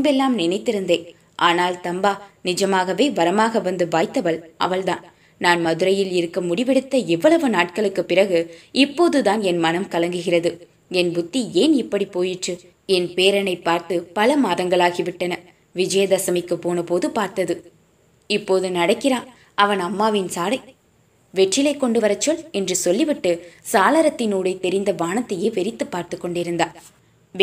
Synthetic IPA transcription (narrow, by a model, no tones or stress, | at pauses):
bɛlːaːmnɪnɐɪt̪ːɪɾɯnd̪eː | ʔaːnaːlt̪ɐmbaːnɪd͡ʒɐmaːɣɐʋeːʋɐɾɐmaːɣɐʋɐnd̪ɯʋaːɪt̪ːɐʋɐɭʔɐ̰ʋɐɭd̪aːn | naːnmɐðɯɾɐjɪlɪɾɯkːɐmʊɽɪʋɛɽɯt̪ːɐɛʋːɐɭɐʋɯnaːʈkɐɭɯkːɯpːɪrɐɣɯɪpːoːðɯðaːnɛnmɐnɐmkɐlɐŋɡɯɣɪrɐðɯ | ɛnbʊt̪ːieːnɪpːɐɽipːoːjɪʈrɯ | ɛnpeːɾɐnɐɪpːaːɾt̪ɯpɐlɐmaːðɐŋɡɐɭaːɣiʋɪʈːɐnɐ | ʋɪd͡ʒɐjɐd̪ɐsɐmɪkːɯpːoːnɐpoːðɯpaːɾt̪ɐðɯ | ɪpːoːðɯnɐɽɐkːɪɾaːn | ɐʋɐnɐmːaːʋɪnsaːlɐɪ | ʋɛʈrɪlɐɪkːɔɳɖɯʋɐɾɐt͡ʃːɔɭɛndrɯsɔlːɪʋɪʈːɯsaːlɐɾɐt̪ːɪnuːɽɐɪt̪ɛɾɪnd̪ɐʋaːnɐt̪ːɐjeːʋɛɾɪt̪ːɯpːaːɾt̪ɯkːɔɳɖɪɾɯnd̪aː